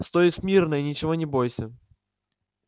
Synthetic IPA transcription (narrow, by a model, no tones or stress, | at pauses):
st̪oɪsʲmʲirnəjinʲɪt͡ɕɪvonʲɪbojsʲə